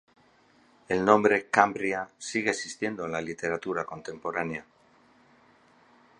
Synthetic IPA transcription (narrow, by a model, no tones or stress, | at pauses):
e̞lnõ̞mbɾe̞kambɾiasiɣ̞e̞ːsist̪je̞nd̪olalit̪e̞ɾat̪uɾako̞nt̪e̞mpo̞ɾanea